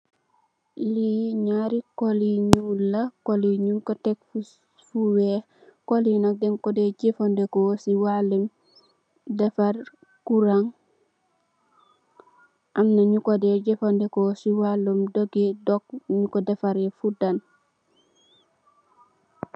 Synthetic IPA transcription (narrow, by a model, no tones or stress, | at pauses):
liɲaɾikoliɲulakoliɲunkotek̚fu | fuwe | kolinok̚dɛmkodeɟefondekosiwalim | defaɾ | kuɾaŋ | ʔamnaɲukodeɟefondekosiwalumdoɡedɔk̚ɲukodefaɾefudan